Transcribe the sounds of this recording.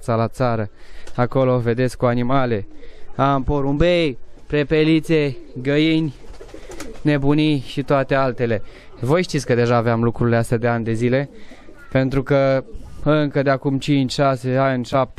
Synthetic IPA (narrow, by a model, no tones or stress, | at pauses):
t̪salat̪saɾəako̞love̞d̪eskuanimale̞ampoɾumbejpɾepelit̪seɡəjinʲ | ne̞buniʃit̪oat̪e̞alt̪e̞le̞vo̞jʃt̪it̪sʲkəd̪e̞ʒaːveamlukɾuileast̪ad̪e̞anʲd̪e̞zile̞ | pe̞nt̪ɾukə | ɨŋkəd̪eakumt͡ʃint͡ʃʲʃase̞anʲʃap̚t̪